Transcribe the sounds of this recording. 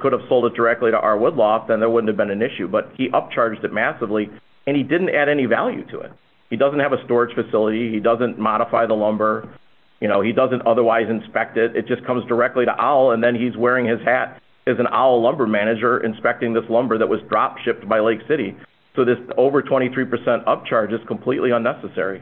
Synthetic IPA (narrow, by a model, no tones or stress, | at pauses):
kʰʊɾəv̥soʊlˠdət̚d̥ə˞ɛk̚tˡliɾə̰ʔɑɹwʊdˡlɔfðə̃nðə˞wʊdⁿn̩thɨvbɨ̃nɨ̃nɪʃʉbʌt̚hiʔʌp̚t͡ʃʰɑɹd͡ʒdɨt̚mæsəvli | ɨ̃nidɪdⁿn̩tæɾɛnivæ̰lˠjʉ̰ɾɨ̰ɪ̰t̚ | hidʌzn̩thɨvəstɔɹɨd̥ʒ̥fɨsɪlˠəɾiidʌzɨ̃nmɑɾəfaɪðəlʌ̃mbə˞ | jɨnoʊidʌzɨ̃ntʌðə˞waɪzɨ̃nspɛk̚tɪɾɨ̰t̚d̥ʒ̥ʌskʰʌ̃mzdə˞ɛk̚tˡliɾə̰ʔal̩ˠə̃nðɨ̃nizwɛɹɪ̃ŋɪz̥hæɾ | ɨzɨ̃na̰l̩ˠlʌ̃mbə˞mæñɨd͡ʒə˞ʔɨ̰̃nspɛk̚tɪ̃ŋðɪslʌ̃mbə˞ðəʔ̚wʌzdɹɑpʃɪp̚t̚b̥aɪleɪksɪɾi | soʊðɪsoʊvə˞tʰw̥ɛ̃ɾ̃iθɹipʰə˞sɛ̃ntʌp̚t͡ʃʰɑɹd͡ʒɨz̥kʰə̃m̩pʰl̥iʔˡliʌ̃nːɛsəsɛ̰ɹḭ